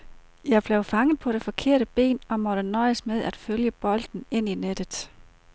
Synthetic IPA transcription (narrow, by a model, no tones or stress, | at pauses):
jɑ̈ɪb̥leʊfɑ̈ŋəð̩ˠpʰɒ̽ɾ̥e̝fɒ̽kʰe̝̰ɐ̰ɾəb̥e̝̰ːnɒ̽mɒ̽ɾ̥ənɒ̽ɪəsmeð̞ˠæd̥føljəb̥ɒ̽l̰d̥n̩e̝n̰ined̥ð̩ˠ